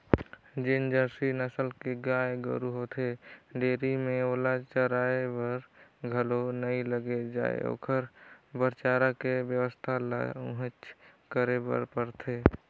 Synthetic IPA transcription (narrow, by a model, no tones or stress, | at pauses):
d͡ʒend͡ʒəɾsinəsəlkeɡaːjeɡə̰ɾuɦot̪ʰeɖeːɾimẽoːlat͡ʃəɾaebəɾɡʱəlonəiləɡed͡ʒa̰ːḛo̰ːkʰəɾbəɾt͡ʃaːɾakebjəwəst̪ʰal̰ɦət͡ʃkəɾebə̰ɾpəɾt̪ʰeː